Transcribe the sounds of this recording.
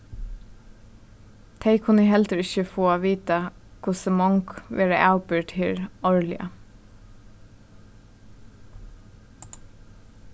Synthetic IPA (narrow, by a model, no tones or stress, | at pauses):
t̪ʰeɪkʰʊnəɦɛlt̪əɹɪçəfoːaːʋiːt̪akʰʊsəmɔŋkʋʔeːɾəʔæʊpɪɹt̪ʰɪɾɔɹlɪ̰ɑ̰